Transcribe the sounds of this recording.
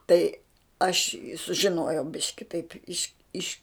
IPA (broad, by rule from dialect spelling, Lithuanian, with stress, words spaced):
tɐɪ ɐʃ ɪ sʊʒʲɪˈnoːjɛʊ ˈbʲɪʃʲkʲɪ tɐɪpʲ ˈɪʃ ɪʃ